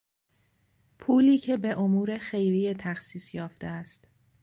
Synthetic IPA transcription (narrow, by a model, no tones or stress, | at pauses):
pʰuːliːcʰe̞be̞ʔomuːɾe̞xe̞jɾijet̪ʰæxsiːsjɒːft̪eæst̪